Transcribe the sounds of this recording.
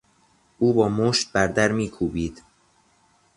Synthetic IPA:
ʔuːbɒːmoːʃt̪̚bæɾd̪æɾmiːkʰuːbiːd̪̥

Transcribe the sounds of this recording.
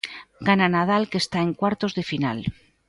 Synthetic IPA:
ɡananað̞alke̞st̪ae̞ŋkwaɾt̪o̞zðe̞final

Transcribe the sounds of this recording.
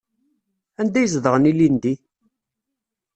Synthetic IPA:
ænd̪æjəzðəʁənilind̪i

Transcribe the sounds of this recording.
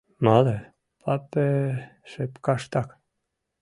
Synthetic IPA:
mɑle | pʰɑpeʃepkɑʃt̪ɑk

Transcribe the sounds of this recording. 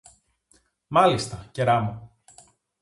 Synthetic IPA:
mɐlist̪ɐce̞ɾɐmo

